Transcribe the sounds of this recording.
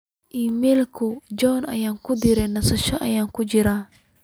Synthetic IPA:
ʔiːmɛlkʰʊd͡ʒɔnɐ̰jaːŋkʰʊd̪ɪɾɛnɐsɐʃɔʔɐ̰jaːŋkʰʊt͡ʃɪɾaː

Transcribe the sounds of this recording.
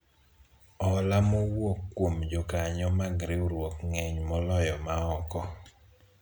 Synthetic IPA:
ɔlamowwokːwomd͡ʒɔkaɲɔmaɡɾɪoɾwokŋeɲmɔlɔjɔmaɔkɔ

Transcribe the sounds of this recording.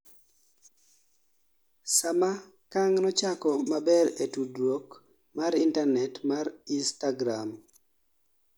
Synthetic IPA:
sama | kaŋnɔt͡ʃakɔmabɛɾetudɾwok | maɾintanɛtmaɾinstaɡɾam

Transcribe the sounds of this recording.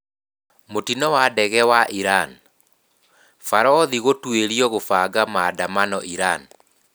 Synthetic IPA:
motinɔwadɛɣɛwaʔiɾan | faɾɔðiɣotweɾiɔɣofaɡamadamanɔ̰ʔiɾan

